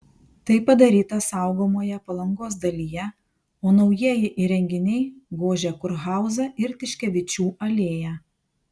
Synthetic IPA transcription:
t̪ɐɪpːɐd̪ɐɾʲiːt̪ɐsɑˑʊɡoːmoːjɛpɐlˠɐŋɡoːsd̪ɐlʲiːjɛ | oːnɒʊjiɛjɪʔiɾʲɛŋʲɡʲɪnʲɛɪɡoːʒʲɛkʊɾɣɑˑʊzɐʔɪɾt̪ʲɪʃʲkʲɛʋʲɪt͡ʃʲuːʔɐlʲeːjæ

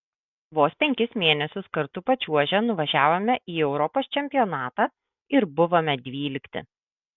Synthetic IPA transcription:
ʋoːspʲɛŋʲkʲɪsmʲeːnʲɛsʲʊskɐɾt̪ʊpɐt͡ʃʲuɔʒʲɛnʊʋɐʒʲæːʋoːmʲɛʔiːɛʊɾɔpoːst͡ʃʲɛmʲpʲɪjɔːnɑːt̪ɑː | ɪɾbʊʋoːmʲɛd̪ʲʋʲiːlʲɪkt̪ʲɪ̰

